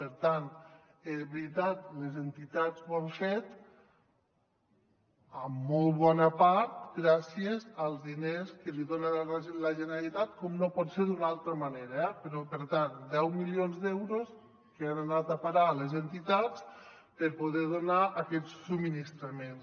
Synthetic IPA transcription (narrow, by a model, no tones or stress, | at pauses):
pəɾt̪ant̪ezβɾit̪at̪lezent̪it̪azβanfet̪ | amːɔlˠβɔnəpaɾt̪ɡɾasiezəlˠzðineskəliðonaləʒenealit̪at̪kɔmnopɔt̪seɾd̪unalˠt̪ɾəmaneɾaɛpeɾɔpəɾt̪and̪ɛwmilionzd̪ɛwɾos | keananat̪apaɾalezent̪it̪at͡s | pəɾpoð̞ɛɾðonaʔakɛsːuminist̪ɾamen